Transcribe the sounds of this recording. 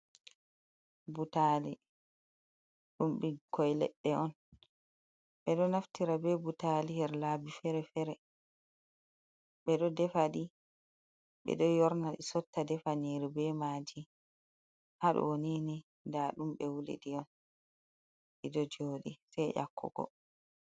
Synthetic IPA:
butali | ɗumɓikʰɔjlɛ̰ɗːɛʔɔn | ɓɛɗɔnaftiɾabɛbutalihɛɾlaːbifɛɾɛfɛɾɛ | ɓɛɗɔdɛfaɗi | ɓɛ̰ɗɔjɔɾnaɗisɔtːadɛfaniɾibɛmaːd͡ʒi | haɗɔ̰wonini | ndaɗumɓɛwulḭɗiɔn | ʔidɔd͡ʒoːɗisɛjʔa̰kʰːɔ̰ɡ̥ɔ̰

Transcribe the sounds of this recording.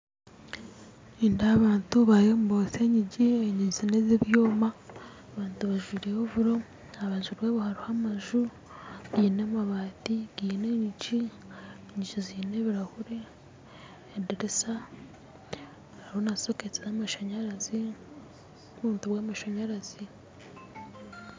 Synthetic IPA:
indaβaːntuβajomuboseɲiɟieɲizinezeβjoːma | βaːntuβaʒiːɾehoβuɾo | aβaːɲzuɾweβuhaɾuhamaʒu | ɡiːnemaβaːtiɡ̥ineɲici | eɲiɟiziːneβiɾahuɾe | diɾisa | aɾihonasoket͡sezamaʃaɲaɾazi | uβuːntuβwaːmaʃaɲaɾazi

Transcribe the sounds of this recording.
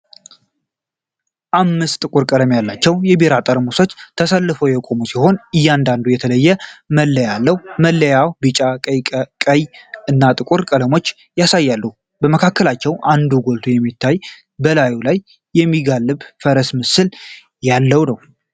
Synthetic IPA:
ʔamːɨst̪ʼɨkʼuɾkʼələmjalːat͡ʃːɛwjɛbeɾat̪ʼəɾmusot͡ʃːt̪ʰəsəlːɨfəwjɛkʼo̞musiho̞nɨjːand̪and̪ujɛt̪ʰələjːɛməlːəjalːəwməlːəjawbɨt͡ʃʼakʼəjɨnːat̪ʼɨkʼuɾkʼələmo̞t͡ʃː | jasajːalːu | bəməkʰakːəlat͡ʃːɛwʔand̪uɡo̞lt̪ʰujɛmːit̪ʰːaj | bəlajulajː | ɛmːiɡalːɨβfəɾəsmɨsɨl | jalːəwnəw

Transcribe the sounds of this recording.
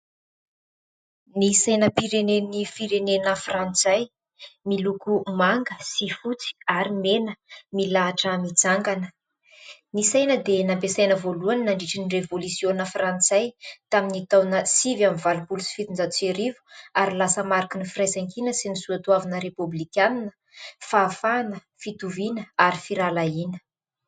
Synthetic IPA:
nisajnəpiɾenenifiɾenenəfrant͡saj | milukumaŋɡəsifut͡si̥aɾimenəmilaːʈ͡ʂəmid͡zaŋɡanə̥ | nisajnəd̪enampesajnəvoluannaɳɖ͡ʐiʈ͡ʂinirevolusionafrant͡sajt̪aminit̪awnəsivjamvalubulusi̥fit̪ind͡zat͡seɾivu̥aɾilasəmaɾikinifrajzaŋkinəsinisuat̪uavanəɾepublikʲaninə̥ | faːfanə | fit̪uvinəaɾifiɾalainə̥

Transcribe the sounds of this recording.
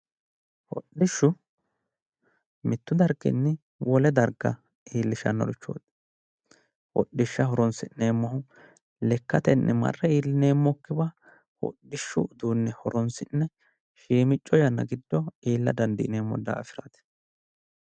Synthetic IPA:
hɔ̰ɗɪʃːʊ | mɪt̪ːʊd̪ɐɾɡɛ̰nːɪ | wɔlɛd̪ɐɾɡɐ | iːlːɪʃɐ̰nːɔ̰ɾɪt͡ʃːo̰ːd̪ | hɔ̰ɗːɪʃːɐɦɔɾɔnsɪnːeːmːɐhʊ | lɛkːɐt̪ɛnːɛmɐ̰rːɛiːlːɪneːmːɔkːɪbɐ | hɔ̰ɗːɪʃːʊd̪uːnːɛhɔɾɔnsɪnːɛ | ʃiːmɪt͡ʃʼːɔjɐnːɐ̰ɡɪd̪ːɔiːlːɐ̰d̪ɐnd̪ɪʔɪne̞ːmːɔ̰d̪a̰ːfɪɾɐt̪

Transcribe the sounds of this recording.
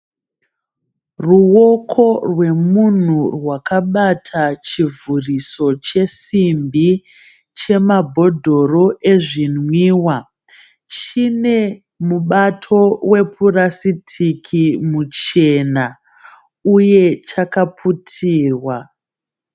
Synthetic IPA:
ruwo̞kʰo̞rwe̞mun̤urwakaɓatʰat͡ʃivuriso̞t͡ʃe̞simbi | t͡ʃe̞mabʱo̞dʱo̞ro̞e̞ʐinwiːwa | t͡ʃine̞ | muɓatʰo̞we̞purasitʰikʰimut͡ʃe̞na | uje̞t͡ʃakapʰutʰiːrwa

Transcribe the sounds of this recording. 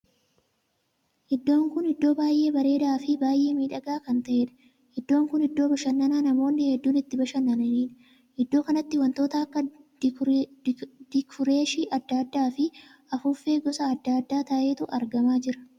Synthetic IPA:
ʔɪd̪ːo̞ːŋkʊnɪd̪ːo̞ːbaːjʔe̞ːbɐɾe̞ːd̪aːfɪbaːjʔe̞ːmiːᶑɐɡaːkɐnt̪ɐʔe̞ːᶑɐ̥ | hɪd̪ːo̞ːŋkʊnɪd̪ːo̞ːbɐʃɐnːɐnaːnɐmo̞ːnːɪhɛd̪ːuːnɪt̪ːɪbɐʃɐnːɐnɐniːᶑɐ | ɪd̪ːo̞ːkɐnɐt̪ːɪwɐnt̪o̞ːt̪ɐɐkːɐ | d̪̥ɪkʊɾe̞ːʃiʔɐd̪ːaːd̪ːaːfɪ | ɐfʊfːe̞ːɡɔsɐːd̪ːaːd̪ːaːt̪ɐʔe̞ːt̪ʊʔɐɾɡɐmaːd͡ʒɪɾɐ̥

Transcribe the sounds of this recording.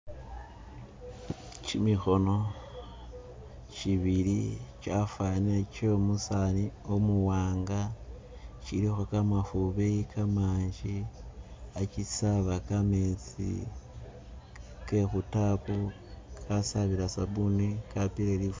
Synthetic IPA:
t͡ʃimixo̞no̞ | t͡ʃiβiɾit͡ʃafaniet͡ʃomusaniomuwaːŋɡa | t͡ʃiɾixokamafuβeikʰamaːɲd͡ʒi | at͡ʃisaβakamet͡sḭ | ke̞xutaku | kʰasaβiɾasabunikapiɾelif

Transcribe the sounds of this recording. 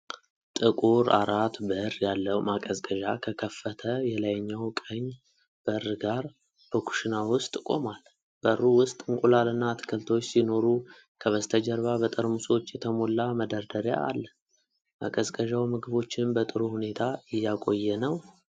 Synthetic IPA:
t̪ʼɨkʼuɾa̰ɾat̪bəɨɾjalːəwmakʼəzkʼəʒakʰəkʰəfːət̪ʰəjɛlajɲːawkʼəɲ | b̥əɨrːɡaɾ | b̥əkʰu̥ʃinawʊst̪ʼkʼo̞mal | b̥əɨrːuwʊst̪ʼɨŋkʼulalɨnːat̪ʰɨ̥kʰɨlt̪ʰo̞t͡ʃːsino̞ɾu | kʰəβəst̪ʰəd͡ʒɛɾβabət̪ʼəɾmuso̞t͡ʃːjɛt̪ʰəmo̞lːaməd̪əɾd̪əɾja̰ːlːə | ma̰kʼəzkʼəʒawmɨɡɨβo̞t͡ʃːɪnbət̪ʼɨɾuhune̞t̪ʰaɪjːakʼo̞jːɛnəw

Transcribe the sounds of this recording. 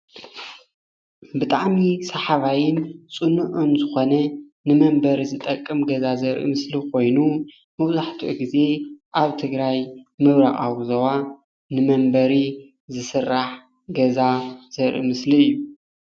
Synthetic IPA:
bɨt̪ʼaʕmisaħaβajɪnt͡sʼunuʔɨnzɨxo̞nɐ | nɨmɐmbɐɾizɨt̪ʼɐkʼːɨmɡɐzazɐɾʔḭmɨslikʰo̞jnu | mɐwzaħt̪ʰuʔuɡize̞ʔaβt̪ʰɨɡɾajmɨβɾaχʼawzɐwa | nɨmɐmbɐɾi | zɨsɨrːaħ | ɡɐzaz̥ɐɾʔḭmɨsliɨjːu

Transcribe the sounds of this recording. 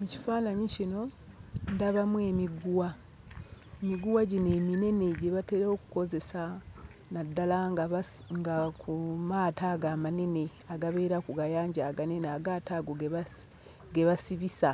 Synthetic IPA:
muci̥faːnaɲicino̞ndaβamwe̞miɡuwa | emiɡuwaɟine̞ːmine̞ne̞ɟeβate̞ɾokuko̞ze̞sa | nadːalaŋŋɡakumaːtaɡaːmane̞ne̞ | aɡaβe̞ːɾakuɡajaːɲɟaɡane̞neaɡataɡoɡeβa | ɡe̞βasiβisa

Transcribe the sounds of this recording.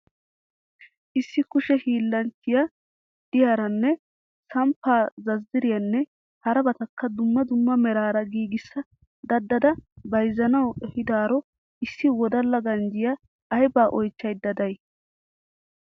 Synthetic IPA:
ʔɪsːɪkʊʃɛhiːlːɐnt͡ʃɪjɐ | d̪̥ɪjaːɾɐnːɛ | sɐmpːaːzɐzːɪɾɪjɐnːɛ | hɐɾɐbɐt̪ɐkːɐd̪ʊmːɐd̪ʊmːɐmɛɾaːɾɐɡiːɡɪsːɐ | d̪ɐd̪ːɐd̪ɐbɐjzːɐnɐwɛhɪd̪aːɾɔ | ɪsːɪwɔd̪ɐlːɐɡɐnd͡ʒɪjɐː | jbaːʔɔjt͡ʃːɐjd̪ːɐd̪ɐj

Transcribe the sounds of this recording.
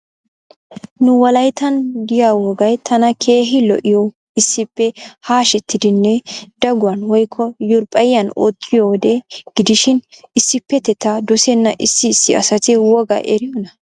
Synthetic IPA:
nʊwɐlɐjt̪ɐnd̪ɪjawɔɡɐjt̪ʰɐnɐkʰe̞ːɦɪlɔ̰ʔɪjɔ | ɪsːɪpːɛhaːʃɛt̪ːɪd̪ɪnːɛd̪̥ɐɡʊwɐnwɔjkʰːɔjʊɾpʼɐjːɐnoːt̪ʰʼːɪjɔwɔd̪ɛɡ̥ɪd̪ɪʃɪnɪsːɪpːɛt̪ɛt̪ːɐd̪ɔsɛnːɐʔɪsːɪːsːɪɐ̰sɐt̪ɪwɔɡɐ̰ʔɛɾɪjɔnɐ

